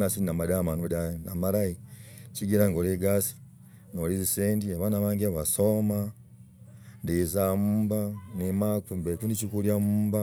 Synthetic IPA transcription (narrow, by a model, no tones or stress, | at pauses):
nasiinamadamanodanamaɾajiciɡiɾaŋɡoleɡasi̥ | noliziseːndiaβanaβaːŋɡeβasoma | ndizamuːmbanimakumbekundit͡ʃikuljamuːmba